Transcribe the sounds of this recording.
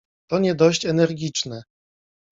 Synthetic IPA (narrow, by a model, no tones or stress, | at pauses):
t̪ɔɲɛd̪ɔɕt͡ɕɛnɛɾɡʲit͡ʂnɛ